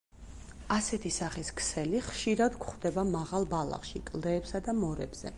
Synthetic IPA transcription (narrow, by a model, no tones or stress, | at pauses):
asɛt̪ʰisaχiskʰsɛliχʃiɾad̪ɡχd̪ɛbamaʁalˠbalˠa̰χʃikʼlˠd̪ɛːpsad̪amɔɾɛ̰bz̥ɛ̰